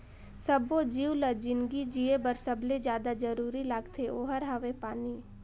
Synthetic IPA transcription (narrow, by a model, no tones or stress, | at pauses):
səbod͡ʒiːwləd͡ʒɪnɡid͡ʒiebəɾsəbled͡ʒjaːd̪ad͡ʒəɾuːɾilaːɡt̪ʰeoːɦəɾɦɐʋepaːni